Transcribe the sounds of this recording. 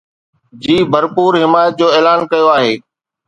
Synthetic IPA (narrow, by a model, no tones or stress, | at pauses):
d͡ʑiːbʱəɾpuːɾɦɪmaːjət̪̚d͡ʑoːeːlaːnkɐjoaːɦeː